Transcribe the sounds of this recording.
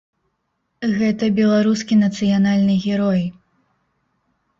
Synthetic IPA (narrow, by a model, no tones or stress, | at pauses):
ɣɛt̪ɐbʲɛlˠaɾuskʲinɐt̪sɨjanalʲnɨɣʲɛɾɔj